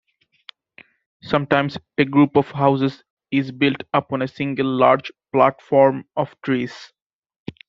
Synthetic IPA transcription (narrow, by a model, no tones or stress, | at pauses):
sʌ̃mʈãɪ̃mz | eɡɾuːpɔʋɦaʊzɪz | ɪzbɪlʈʌpɔ̃nesɪ̃ŋɡəlːaːɾd͡ʒplæʈfɔːɾmɔʋʈɾiːz̥